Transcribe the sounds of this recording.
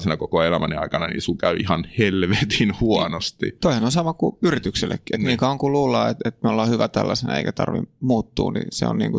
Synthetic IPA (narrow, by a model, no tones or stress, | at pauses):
senɑkokoelæmæneɑ̰ikɑnɑnḭːsukæyihɑnhelʋet̪inhuɑnost̪ḭt̪oihenonsɑmɑkuyrit̪ykselːḛkːiet̪niːkɑoŋkuluːlːɑːet̪et̪meolːɑːhyʋæt̪ælːæsenæḛˑikæt̪ɑ̰rʋḭmuːt̪ːṵːnḭsḛo̰nniːŋku